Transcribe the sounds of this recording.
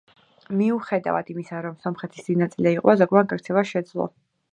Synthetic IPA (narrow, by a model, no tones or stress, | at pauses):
miuχɛd̪a̰vad̪imisaɾɔmsɔmχɛt̪ʰisd̪inat̪sʼilɛiqʼazɔɡwanɡʼɛɾt̪ʰɛvaʃɛd̪zlˠɔ̰